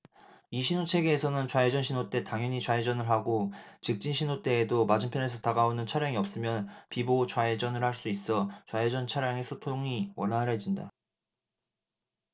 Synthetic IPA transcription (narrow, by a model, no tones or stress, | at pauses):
iɕʰinot͡ɕʰe̞ɡe̞ːsʰʌnɯnt͡ɕwae̞d͡ʑʌnɕʰinot͈e̞taŋjʌɲit͡ɕwaed͡ʑʌnɯɭɦaɡot͡ɕɯk̚t͡ɕ͈inɕʰinot͈e̞ːdomad͡ʑɯmpʰjʌne̞sʰʌtaɡaonɯnt͡ɕʰaɾjaŋiʌp̚s͈ɯmjʌnpibot͡ɕwae̞d͡ʑʌnɯɭhaɭs͈uis͈ʌt͡ɕwae̞d͡ʑʌnt͡ɕʰaɾjaŋe̞sʰotʰoŋiwʌnɦaɯɾɦe̞d͡ʑinda̰